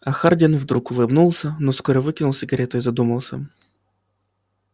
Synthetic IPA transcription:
ɐxardʲɪnvd̪ɾukʊlˠɨbnulˠsʲənoskoɾəvɨkʲɪnʊlˠsʲɪɡɐɾʲet̪əɪzɐd̪uməlˠsʲə̰

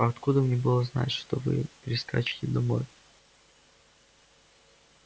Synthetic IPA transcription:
ɐɐt̪kud̪əmnʲɛbɨlˠəzna̰tʲʂt̪ovɨ̰pʲɾʲɪskat͡ɕɪ̥tʲɪd̪amo̞̰j

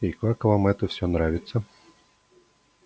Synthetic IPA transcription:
ɪkakvamɛt̪əfsʲonɾavʲɪt̪sə

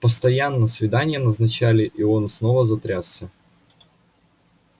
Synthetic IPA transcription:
pəst̪ɐjanːəsvʲɪd̪anʲɪjənəznɐt͡ɕalʲɪʔionsnovəzɐt̪ɾʲasːʲə

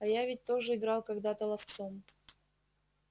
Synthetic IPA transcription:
ɐjavʲɪt̚ʲt̪oʐɨɪɡɾɑlˠkɐɡd̪at̪əlˠɐft̪som

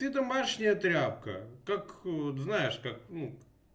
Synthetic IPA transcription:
t̪ɨd̪ɐmaʂnʲɪjət̪ɾʲap̚kə̰kakoznajɪʂkak̚nu

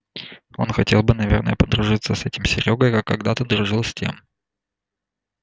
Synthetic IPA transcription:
o̞̰nxɐtʲe̞lˠbɨnɐvʲernə̰jəpəd̪ɾʊʐɨt̪sːəsɛtʲɪmsʲɪɾʲo̞ɡəjkakːɐɡd̪at̪əd̪ɾʊʐɨlˠsʲtʲḛm

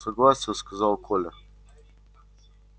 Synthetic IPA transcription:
sɐɡlˠasʲɪjəskɐzɑlˠkʰolʲɪ

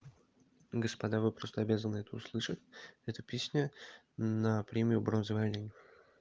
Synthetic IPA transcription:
ɡəspɐd̪avɨpɾo̞st̪əɐbʲazənɨɛt̪əʊslˠɨʂətʲɛt̪əpʲesʲnʲə | nəpɾʲemʲɪjʊbɾo̞nzɨvɐlʲnʲenʲ

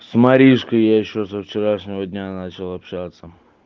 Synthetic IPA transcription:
smɐɾʲiʂkəjjaɪɕːosəft͡ɕɪɾaʂnʲɪvəd̪ʲnʲanat͡ɕɪlˠɐpɕat̪sːə

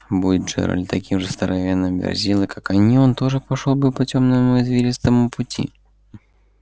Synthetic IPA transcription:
budʲɪd̪ʐɛ̰ɾə̰lʲt̪ɐkʲimʐɨst̪əɾʔɐvʲenːɨmbʲɪ̰rzʲilˠɨkakɐnʲio̞nt̪o̞ʐɨpɐʂolˠbɨpɐtʲomnəmʊɪzvʲeɾʲɪst̪əmʊpʊtʲḭ

